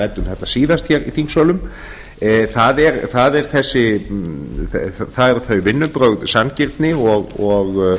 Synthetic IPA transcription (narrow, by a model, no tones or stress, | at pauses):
ɛt̪ʏmθɛht̪asiːðast̪çɛɾḭθiŋsɔlʏm | θaðɛɾθaðɛɾ̥θɛsːɪ | θaðɛɾθœɥvɪnːʏpɾœɥɣðsancɪɾt̪nɪɔɣɔɣ